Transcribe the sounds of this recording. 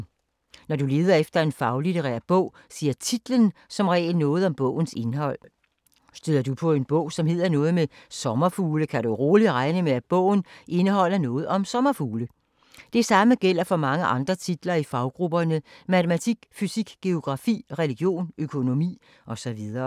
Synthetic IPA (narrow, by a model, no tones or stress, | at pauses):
nɒd̥ule̝ːð̞ˠɐefd̥ɐe̝nfɑ̈ʊlit͡sʰeʁɛ̰ːɐðˠb̥ɔ̽ʊ̰ | siːɐt͡sʰid̥lənsɒ̽mʁɛ̰ːlnɔ̽ːð̞̩ˠɒ̽mb̥ɔ̰̽ʊ̰n̩se̝nɦɒ̽l̰ | sd̥yð̰ˠɐd̥upʰɒ̽e̝nb̥ɔ̰̽ʊ̰sɒ̽mɦe̝ð̞̰ˠɐnɔ̽ːð̞̩ˠmesɒ̽mɐfuːləkʰæɾ̥uʁoːli̥ʁɑ̈ɪnəmeæd̥̚b̥ɔ̰̽ʊ̰n̩ʔe̝nəɦɒ̽l̰ɐnɔ̽ːð̞̩ˠɒ̽msɒ̽mɐfuːlə | d̥e̝sɑ̈məɡ̥el̰ɐfɒ̽mɑ̈ŋəʔɑ̈nd̥ʁɐt͡sʰid̥lɐifɑ̈ʊɡ̥ʁub̥ɐnəmæt͡sʰemæt͡sʰiɡ̥fysiɡ̥ɡ̥e̝o̝ɡ̥ʁɑ̈fḭːʁɛliɡ̥jo̝̰ːnøkʰo̝no̝mḭː | ʔɒ̽sɒ̽ʋið̞ˠɐː